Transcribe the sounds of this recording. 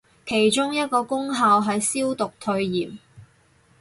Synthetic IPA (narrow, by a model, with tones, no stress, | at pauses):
kʰe˨˩jt͡ʃʊ˥ŋjɐ˥t̚kɔː˧kʊ˥ŋɦaː˨˧wɦɐ˨jsiː˥wt̪ʊ˨k̚t̪ʰɵ˧ɥjiː˨˩m